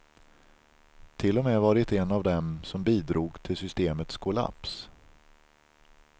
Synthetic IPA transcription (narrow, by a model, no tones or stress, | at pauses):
t̪ʰɪlːɔmɛːvɑɖɪt̪ɛnːavd̪ɛmsɔmbiːd̪ɾuːɡt̪ʰɪlsʏst̪eːmət̪skʰʊla̰ps